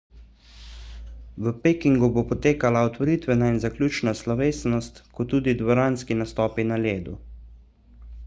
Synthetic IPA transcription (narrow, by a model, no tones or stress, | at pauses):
ʋəpekiŋɡubopɔt̪eːkalaɔt̪ʋɔɾit̪ʋɛnainzaklʲuːt͡ʃnaslɔʋeːsnɔst̪kɔt̪ːuːd̪id̪ʋɔɾaːnskinast̪ɔːpinaleːd̪u